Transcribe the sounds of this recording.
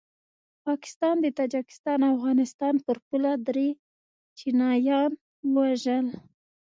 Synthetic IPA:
pɑkɪ̥st̪ɑnd̪ət̪ɑd͡ʒɪkɪ̥st̪ɑnafɣɑnɪst̪ɑnpəɾpulad̪ɾe | t͡ʃinɑjɑn | waʒəl

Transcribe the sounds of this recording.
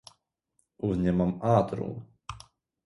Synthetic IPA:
uvɲɛmamat̪ɾṵm

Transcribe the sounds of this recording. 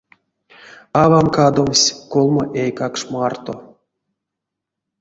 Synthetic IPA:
ɑvamkad̪omsʲkolˠmoʔejkakʂmart̪o

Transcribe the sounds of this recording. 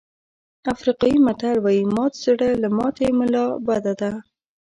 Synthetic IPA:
afɾiqɑjimat̪aɾwɑjimɑt̪zɪɽəlamɑt̪emʊlɑbad̪ad̪a

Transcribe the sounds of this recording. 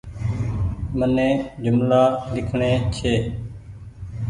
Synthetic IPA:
mənẽːd͡ʒʊmlaːlɪkʰɳeːt͡ʃʰeː

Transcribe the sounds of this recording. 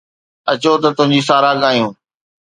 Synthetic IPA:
ɐt͡ɕot̪ɐt̪ʊ̃ɦɪ̃ɲd͡ʑiːs̬aːɾaɠaːijũː

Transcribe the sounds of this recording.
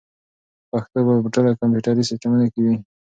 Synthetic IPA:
paxt̪obapəʈəlakampjuʈaɾisɪt̪amunakewi

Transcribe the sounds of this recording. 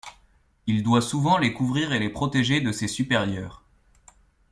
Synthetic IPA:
ild̪wasuvɑ̃lekuvʁiʁelepχɔt̪eʒed̪əsesypeʁjœːʁ

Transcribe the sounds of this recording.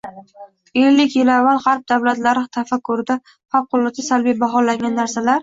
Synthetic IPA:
elːɪkʲjɪlavːalˠhɑɾp̚d̪avlat̪laɾɪt̪ʰafakʰːʊɾɪd̪a | fap̚qʰʊlˠːɨt̪ʰɪsalbijbaɦɒlaŋɡʲanːaɾsalaɾ

